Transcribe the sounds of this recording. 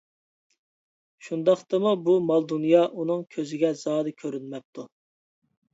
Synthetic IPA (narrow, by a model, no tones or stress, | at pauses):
ʃund̪ɑχt̪ɨmubumɑlˠd̪unjɑʔunɨŋkʲʰøzɪɡʲɛzɑːd̪ɨkʲʰøɾynmɛp̚t̪ʰu